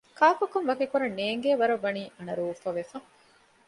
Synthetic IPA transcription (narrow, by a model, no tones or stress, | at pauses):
kaːkɐkɐnʋɐkekuɾɐnːeːŋɡeːʋɐɾɐʋːɐniːʔɐnɐɾuʋufɐʋefɐŋ